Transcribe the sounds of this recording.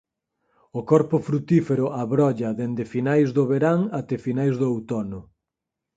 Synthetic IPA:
ʊkɔɾpʊfɾut̪ifeɾʊʔaβɾɔʎɐðend̪ɪfinajzðʊβeɾaŋat̪efinajzðʊowt̪ɔnʊ

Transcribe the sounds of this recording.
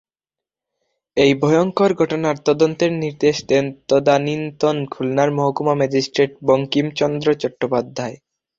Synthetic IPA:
ejbʱɔjoŋkoɾɡʱɔʈonaɾt̪ɔd̪ont̪eɾniɾd̪eʃd̪ent̪od̪anint̪onkʰulnaɾmoɦokumamad͡ʑisʈɾeʈ̚boŋkimt͡ɕɔnd̪ɾot͡ɕɔʈːopad̪ʱːae

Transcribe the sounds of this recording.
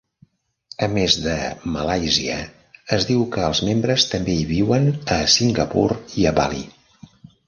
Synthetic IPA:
əmezðəməlajziə̰ː | zðiwkəːlˠzmembɾəst̪əmbeiβiwənəsiŋɡəpuɾiəβa̰lḭ

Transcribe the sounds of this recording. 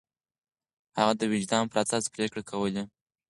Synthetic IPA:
haɣad̪əwɪd͡ʒd̪ɑmpəɾasɑspɾekɽakʰawəle

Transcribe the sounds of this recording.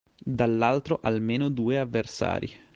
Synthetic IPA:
d̪alːalt̪ɾoʔalmeːnod̪uːeavːersa̰ːɾʔḭ

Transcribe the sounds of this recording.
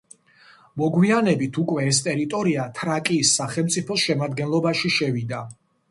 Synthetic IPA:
mɔɡwianɛbit̪ʰukʼwɛːst̪ʼɛɾit̪ʼɔɾiat̪ʰɾakʼiːsːaχɛlˠmt̪sʼipʰɔsʃɛmad̪ɡɛnlˠɔbaʃiʃɛvid̪a

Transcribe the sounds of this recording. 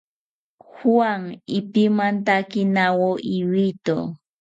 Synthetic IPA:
xuaŋɪpimant̪akinawoʔiwit̪o̰

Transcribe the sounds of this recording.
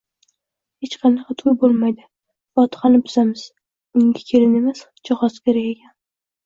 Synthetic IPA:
het͡ʃqʰɑnɑqʰɑt̪ʰʊjbolˠmajd̪ɪ | vɒt̪ʰɪ̥χanɪpʰʊzamɪz̥ | ʊŋɡʲakʲʰelɪnemas | d͡ʒɒχɒskʲʰeɾakʲekʲʰan

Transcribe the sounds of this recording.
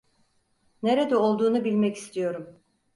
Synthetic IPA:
neɾed̪ɛo̞lˠd̪uːnubilʲmɛci̥st̪ʰijo̞ɾum

